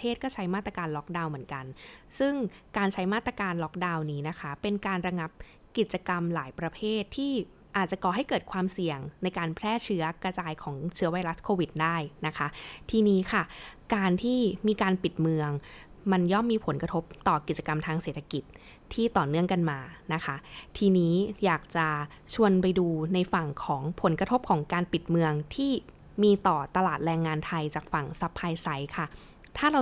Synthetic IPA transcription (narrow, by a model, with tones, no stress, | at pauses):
eː˥˩t̪̚kɔː˥˩t͡ɕʰa˦˥jmaː˥˩t̪ːɾa˧kaː˧nlɔ˦˥k̚daː˧wmɯ˩˦ənka˧nsɯ˥˩ŋkaː˧nt͡ɕʰa˦˥jmaː˥˩t̪ːɾa˧kaː˧nlɔ˦˥k̚daː˧wniː˦˥na˦˥kʰa˦˥pe˧nkaː˧nɾa˧ŋa˦˥p̚ | ki˨˩t̪̚t͡ɕa˧ka˧mlaː˩˦jpɾa˧pʰeː˥˩t̪ʰːiː˥˩ | ʔaː˨˩t̪̚t͡ɕa˨˩kɔː˨˩ɦa˥˩jkɤː˨˩t̪̚kʰwaː˧msi˨˩əŋna˧jkaː˧npʰɾɛː˥˩t͡ɕʰɯ˦˥ɐkɾa˧t͡ɕaː˧jkʰɔː˩˦ŋt͡ɕʰɯ˦˥ɐwa˧jɾa˦˥skʰoː˧wi˨˩t̪̚daː˥˩jna˦˥kʰa˦˥t̪ʰiː˧niː˦˥kʰa˥˩kaː˧nt̪ʰiː˥˩miː˧kaː˧npi˨˩t̪̚mɯ˧əŋ | ma˧njɔ˥˩mːiː˧pʰo˨˩˦nkɾa˧t̪ʰo˦˥p̚t̪ɔː˨˩ki˨˩t̪̚t͡ɕa˧ka˧mt̪ʰaː˧ŋseː˨˩t̪ʰːa˧ki˨˩t̪̚ʰː | iː˥˩t̪ɔː˨˩nɯ˥˩əŋka˧nmaː˧na˦˥kʰa˦˥t̪ʰiː˧niː˦˥jaː˨˩k̚t͡ɕa˨˩ | t͡ɕʰu˧ənpa˧jduː˧na˧jfa˨˩ŋkʰɔː˩˦ŋpʰo˩˦nkɾa˧t̪ʰo˦˥p̚kʰɔː˩˦ŋkaː˧npi˨˩t̪̚mɯ˧əŋt̪ʰiː˥˩ | miː˧t̪ɔː˨˩t̪a˧laː˨˩t̪̚ɾɛː˧ŋːaː˧nt̪ʰa˧jt͡ɕaː˨˩k̚fa˨˩ŋsa˦˥pʰːaː˧jsa˦˥jkʰa˥˩ | t̪ʰaː˥˩ɾa˧w